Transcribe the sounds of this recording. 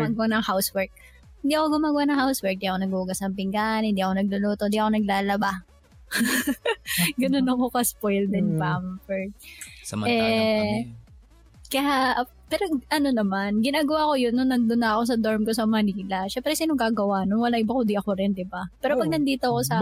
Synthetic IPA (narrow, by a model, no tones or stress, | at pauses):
maɡɐwanɐŋhawswɛɹk̚ | hɪnd̪iːɐkoɡʊmaːɡɐwanɐŋhawswɛɹk̚d̪iʔɐkonɐɡuʔʊɡɐsnɐŋpɪŋɡaʔnhɪnd̪iʔɐko̞nɐɡ̚lʊloːt̪ond̪iɐko̞nɐɡ̚laːlɐba | ɡɐno̞nɐko̞kɐspojld̪ɛnpamfɛɹ | mʔɛ | kɐjaʔ | pɛːɾoʔɐno̞nɐmanɡɪnaːɡɐwaːʔko̞jonːonːɐnd̪onːɐɐko̞s̬ɐd̪oɹmko̞sɐmɐniːlɐʃɛmpɾɛsiːnoŋɡaːɡɐwaʔnoŋwɐlaʔɪbakoʊnd̪iʔɐkoɾɪnd̪ɪbapɛːɾopɐɡ̚nɐnd̪iːt̪oɐko̞sɐ